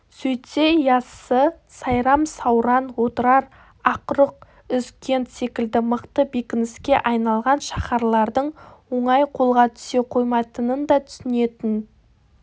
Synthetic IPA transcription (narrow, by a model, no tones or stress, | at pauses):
sɵjt̪se̞jɑsə | sɑjɾɑmsɑwɾɑnwo̞t̪əɾɑɾ | ɑqɾəq̚ | ʏzkʲʰe̞nt̪se̞kʲɪld̪ɪməqt̪əbe̞kʲɪnɪskʲe̞ʔɑjnɑlˠʁɑnʃɑχɑɾlˠɑɾd̪əɴwo̞ɴɑjqʰo̞lˠʁɑt̪ʰʏ̥se̞qʰo̞jmɑt̪ənənd̪ɑt̪ʰʏ̥sɪne̞t̪ɪn